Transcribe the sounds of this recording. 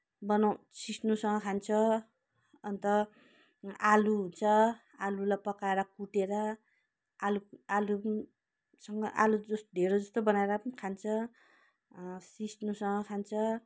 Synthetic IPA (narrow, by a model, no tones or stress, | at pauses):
bʌnaw̃ | sisnusʌŋɡʌkʰant͡sʰʌ | ʌnt̪ʌ | aluɦunt͡sʰʌ | alulajpʌkaeɾʌkuʈeɾʌ | alualu | sʌŋɡʌʔa̰lud͡zʌsd̪ʱeɾod͡zʌst̪obʌnaeɾʌkʰant͡sʰʌ | sisnusʌŋɡʌkʰant͡sʰʌ